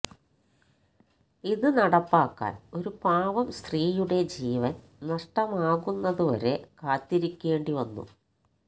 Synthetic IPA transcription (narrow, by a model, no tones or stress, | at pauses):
iðɨnɐɽɐpːaːkːa̰ːno̞ɾupaːʋɐmst̪riːjuɽe̞d͡ʑiːʋɐn | nɐʂʈɐmaːɣunːɐðuʋɐ̰ɾe̞kaːt̪ːiɾikʲːe̞ːɳɖiʋɐnːṵ